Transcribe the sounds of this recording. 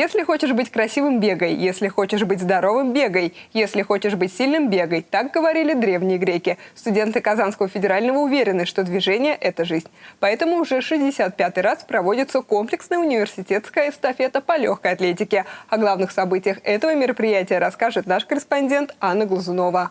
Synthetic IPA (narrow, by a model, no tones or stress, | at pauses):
jesʲlʲɪxo̞t͡ɕɪʐbɨtʲkɾɐsʲivɨmbʲe̞ɡəjːesʲlʲɪxo̞t͡ɕɪʐbɨtʲzd̪ɐɾo̞vɨmbʲe̞ɡəjjesʲlʲɪxo̞t͡ɕɪʐbɨtʲsʲilʲnɨmbʲe̞ɡəjt̪ak̚ɡəvɐɾʲilʲɪd̪ɾʲe̞vnʲɪjəɡɾʲekʲɪst̪ʊdʲe̞nt̪ɨkɐzanskəvəfʲɪdʲɪɾalʲnəvəʊvʲeɾʲɪnɨʂt̪od̪vʲɪʐɛnʲɪjəʔɛt̪əʐɨzʲnʲpɐɛt̪əmʊːʐɛfʂɨzʲdʲɪsʲat̪̚pʲat̪ɨjraspɾɐvo̞dʲɪt̪sːəko̞mplʲɪksnəjəʊnʲɪvʲɪrsʲɪtʲe̞t̪skəjəst̪ɐfʲe̞t̪əpɐlʲo̞xkəjɐt̪lʲetʲɪkʲɪɐɡlˠavnɨxsɐbɨtʲɪjəxɛt̪əvəmʲɪɾəpɾʲɪjætʲɪjəɾɐskaʐɨt̪naʂkəɾʲɪspɐnʲdʲe̞nt̪anːəɡlˠʊzʊno̞və